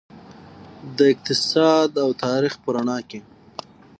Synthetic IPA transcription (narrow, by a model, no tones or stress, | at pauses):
d̪əɪq̚t̪ɪsɑd̪awt̪ɑɾixpəɾaɳɑke